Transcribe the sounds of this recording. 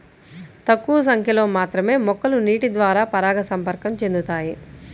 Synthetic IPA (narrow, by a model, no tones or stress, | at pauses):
t̪ɐkːuːɐs̬ɐŋkʰjɐlo̞ːmaːt̪ɾɐme̞ːmɔkːɐluniːʈid̪ʋaːɾaːpɐɾaːɡɐsɐmpɐɾkɐmt͡ʃe̞nd̪ut̪aːji